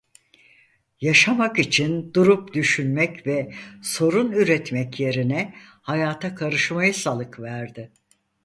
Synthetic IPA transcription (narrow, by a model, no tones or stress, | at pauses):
jaʃamakit͡ʃʰind̪uɾupd̪yʃynmɛcvɛso̞ɾunyɾɛt̪mɛcje̞ɾinɛhajaːt̪ʰakʰaɾɯʃmajɯsalˠɯkvæɾd̪ɪ